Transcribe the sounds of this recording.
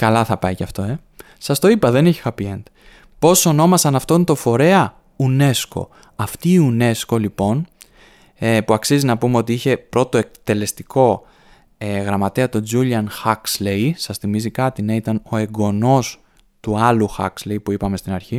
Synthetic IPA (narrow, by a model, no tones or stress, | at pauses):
kɐlɐθɐpɐicɐft̪o̞e̞ | sɐst̪o̞ipɐðe̞neçexɐpient̪ | po̞so̞no̞mɐsɐnɐft̪ont̪o̞fo̞ɾe̞ɐ | une̞sko̞̰ | ɐft̪iːune̞sko̞lipo̞n | epuɐksizinɐpume̞o̞t̪iiçe̞pɾo̞t̪o̞e̞k̚t̪e̞le̞st̪iko̞ | eɣɾɐmɐt̪eɐt̪o̞d͡zuliɐnxɐkslejsɐsθimizikɐt̪ineit̪ɐno̞e̞ɡo̞no̞s | t̪uɐluxɐ̰kslejpuipɐme̞st̪inɐɾçi